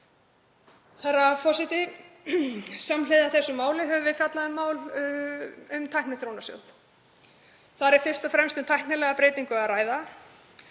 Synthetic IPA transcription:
θaɾafɔsɪt̪ɪ | samlɪðaθɛsːʏmaːwlɪɦɛvʏvɪðfjat̪laðʏmːaːwl | ʏmt̪ʰajhknɪθɾownasjo̰wð | θaɾɛɾ̥fɪr̥st̪ɔfɾɛmst̪ʏmt̪ʰajhknɪlɛɣapɾeːjt̪iŋkʏaraːjða

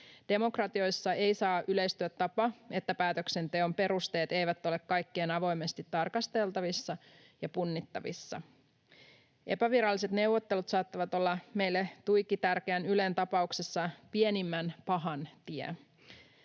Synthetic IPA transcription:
d̥e̞mo̞krɑt̪io̞jsːɑe̞ijsɑːʔyle̞jst̪yæt̪tːɑpɑe̞t̪ːæpæːt̪økse̞nt̪e̞o̞mpe̞ɾust̪e̞ːt̪e̞jʋæt̪ːo̞le̞kkːɑjkːeːnɑʋo̞jme̞st̪it̪ːɑrkɑst̪e̞lt̪ɑʋisːɑ | jɑpunːit̪ːɑʋḭsːɑ̰ | ʔe̞̰pæʋiɾɑlːis̬e̞t̪ne̞wʋo̞t̪ːe̞lut̪sɑːt̪ːɑʋɑt̪o̞lːɑme̞jlːet̪ujkːit̪ærk̟eænyle̞nt̪ɑpɑuksesːɑpienimːænpɑɦɑnt̪iɛ̰

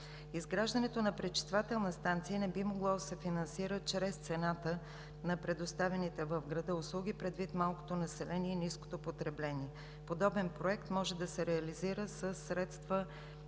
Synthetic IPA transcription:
izɡɾaʒd̪ənɛt̪onɐpɾɛt͡ʃi̥st̪vat̪ɛlˠnəst̪ant̪sijənɛbimoɡlˠɔd̪ɐsɛfinɐnsiɾət͡ʃɾɛst̪sɛnat̪ə | nɐpɾɛd̪ost̪avɛnit̪ɛvəvɡɾɐd̪əʊslˠuɡʲipɾɛd̪vit̪malˠko̥t̪onɐsɛlɛniɛinisko̥t̪opot̪ɾɛblɛniɛ | pod̪ɔbɛnpɾoɛkt̪mɔʒɛd̪ɐsɛɾɛɐliziɾəsəsːɾɛt̪st̪və

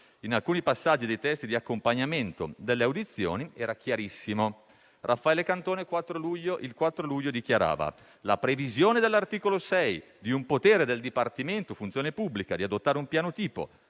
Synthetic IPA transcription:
inalkuːnipasːad͡ʒːid̪ejt̪ɛst̪id̪iakːompaɲːament̪o̰d̪elːeawd̪it̪sːjo̰ːniɛːɾakjaɾisːimo | rʔafːaɛːlekant̪oːnekwat̪ːɾoluʎːoʔilkwat̪ːɾoluʎːod̪ik̟jaɾa̰ːva̰ | lapɾevizjoːned̪elːart̪iːkolosɛj | d̪iumpot̪eːɾed̪eld̪ipart̪iment̪ofunt̪sjoːnepubːlikad̪iad̪ot̪ːaːɾeumpjaːnot̪iːpo̰

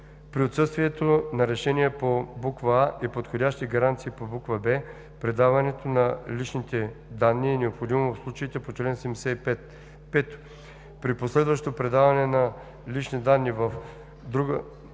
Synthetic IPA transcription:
pɾiot̪sɤst̪viɛt̪onɐɾɛʃɛnʲiɛpobukvəaʔɛpot̪xod̪ʲaʃt̪iɡɐɾant̪siːpobukvəbɛ | pɾɛd̪avɐnɛt̪onɐlit͡ʃnit̪ɛd̪anːiɛnɛopxod̪imovɐfslˠut͡ʃəit̪ɛpot͡ʃlɛnsɛmsɛɛt̪ | pɛt̪ | pɾiposlɛd̪vɐʃt̪opɾɛd̪avɐnɛnɐ | lit͡ʃnid̪anːivɐf | d̪ɾuɡə

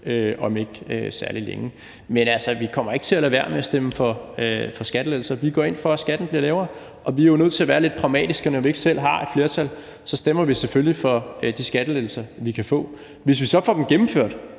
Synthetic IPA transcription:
øʔɒ̽me̝ɡ̥øsæɐlilḛŋə | menælsɐʋikʰɒ̽m̰ɐe̝ɡ̥ət͡sʰe̝ælæʋæɐ̰meæsd̥eməfɒ̽øfɒ̽sɡ̥æd̥leðl̩sɐʋiɡ̥ɒ̰ːe̝nfɒ̽æsɡ̥æd̥n̩b̥liɐlɛːʊɐ | ʔɒ̽ʋiæɐjoʊnøð̰ˠt͡sʰe̝æɐʋæːɐle̝d̥̚pʰʁɑ̈ʊmɛ̰ːd̥isɡ̥ənɒʋie̝ɡ̥sel̰ɦɑ̈ed̥fle̝ːɐt͡sʰæl | sɒ̽sd̥emɐʋiseføljifɒ̽d̥isɡ̥æd̥əlel̩sɐʋikʰæfɔ̰̽ː | ʋe̝s̬ʋisɒ̽fɒ̰ːd̥emɡ̥emm̩føɐ̰d̥

